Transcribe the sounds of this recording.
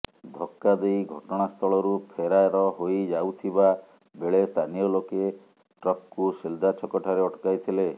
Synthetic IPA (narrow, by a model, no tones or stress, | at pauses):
d̪ʱɔkːad̪ejɡʱɔʈɔɽ̃ast̪ʰɔɭɔɾupʰeɾaeɾɔɦojd͡ʒawt̪ʰiba | beɭest̪ʰanijɔloke | ʈɾɔp̚kusild̪at͡ʃʰɔkɔʈʰaɾeɔʈkajt̪ʰile